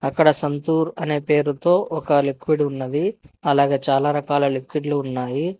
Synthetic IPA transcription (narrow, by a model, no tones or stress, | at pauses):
ɐkːɐɽɐsɐnt̪uːɾɐne̞ːpe̞ːɾut̪o̞ːʔɔkɐlikʋiɖunːɐd̪iɐlaːɡe̞ːt͡ʃaːlaːɾɐkaːlɐlikwiɖluːnːaːji